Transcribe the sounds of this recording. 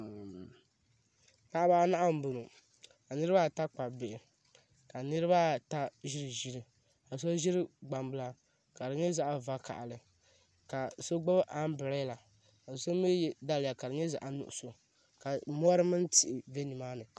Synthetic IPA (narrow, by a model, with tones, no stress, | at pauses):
pa˦ʔa˦ba˦na˦ʔa˦m̩˨bʊ˨nu˨ | ka˨nɨ˦ɾɨ˦ba˦˨ta˦k͡pa˨bɪ˨ɪ˨ | ka˨nɨ˦ɾɨ˦ba˦ta˦ʒi˦ɾɨ˨ʒi˦ɾɨ˨ | a˨s̬o˦ʒi˦ɾɨ˦ɡ͡ba˨mbɨ˦la˨ | ka˨ɾɨ˨ɲɛ˦za˦ʔa˦va˦ka̰˨ʔa˨lɨ˨ | ka˨so˦ɡ͡bo˦bʔa˦m˦bɨ˨ɾɛ˦la˨ | a˨so˦mi˦jda˦lɪ˨ja˨ka˨ɾɨ˨ɲɛ˦za̰˨ʔa˨nʊ̰˨ʔʊ̰˨so˨ | ka˨mɔ˦ɾɨ˦mɨ˦n˦ti˨ʔɪ˨ve˦ni˨maː˦nɨ˨